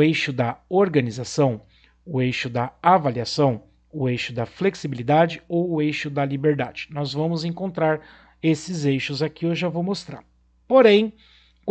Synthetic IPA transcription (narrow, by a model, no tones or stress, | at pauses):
ejʃʊd̪ɐoɾɡɐnizasɐ̃w̃ | ʊejʃʊd̪ɐavaliasɐ̃w̃ | ʊejʃʊd̪ɐfleksibilid̪ad͡ʒɪowʊejʃʊd̪ɐlibeɾd̪a̰d͡ʒɪ̥nɔzvɐ̃mʊzẽŋkõnt̪ɾaɾ | esɪzejʃʊzakiewʒavowmost̪ɾa̰ɾ | poɾẽj̃ | k